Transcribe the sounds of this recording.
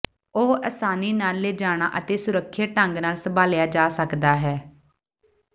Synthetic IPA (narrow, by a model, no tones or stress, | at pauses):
oːəːsaːniːnaːlːeːd͡ʒaːɽ̃aːʔət̪eːsʊɾəkʰːjaːʈəŋɡnaːlsəbaːlɪjaːd͡ʒaːsəkd̪aːɦɛː